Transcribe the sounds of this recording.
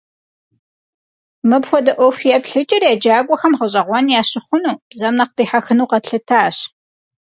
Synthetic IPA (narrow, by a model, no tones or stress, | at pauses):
mɨpxʷɔdɐʔʷɔfjɛpɬɨt͡ʃʼɐrjɛd͡ʒaːɡʷʼɔxɐmʁəɕʼɐʁʷɔnjaːɕɪχʷʊnuːb̥zɐmnɐq̚tiːħaxɨnuːqɐtɬɨtʰaːɕ